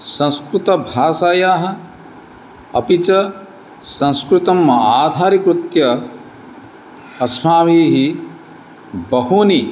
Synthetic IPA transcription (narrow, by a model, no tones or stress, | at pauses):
sɐ̃nskɾut̪ɐbʱaːsaːjaːɦɐ̆ | ɐpit͡ʃɐ | sɐ̃nskɾut̪ɐmːɐaːd̪ʱaːɾikɾut̪jɐ | ɐsmaːmiːɦi | bɐɦuːni